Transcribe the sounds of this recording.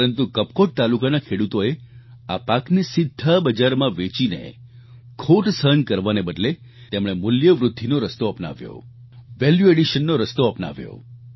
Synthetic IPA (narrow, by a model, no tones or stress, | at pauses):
ɾənt̪ukəp̚koʈ̚t̪alukanakʰeɽut̪oe | apaknisɪd̪ʱːabəd͡ʒaɾmãʋet͡ʃinḛ | kʰoʈsəɦənkəɾʋanebəd̪le | t̪emɽ̃emʊljəʋɾʊd̪ʱːinoɾəst̪oəpna̰ʋjo̰ | ʋɛljueɽiʃənːoɾəst̪oəpna̰ʋjo̰